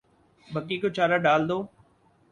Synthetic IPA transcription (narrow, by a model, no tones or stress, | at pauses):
bʱəkːikot͡ʃaːɾaɖaːld̪oː